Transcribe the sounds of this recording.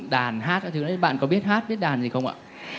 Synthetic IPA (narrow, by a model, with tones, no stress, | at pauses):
ɗaː˨˩nɦaː˦˥t̚ʔa˧˨t̪ʰɨ˨˧˦nɔ˨˦ɓa̰ː˧˨nkɔ˨˦ɓi˦˥ət̚haː˦˥t̚ɓi˦˥ət̚ɗaː˨˩nzi˨˩xə˧wŋ͡ma̰ː˧˨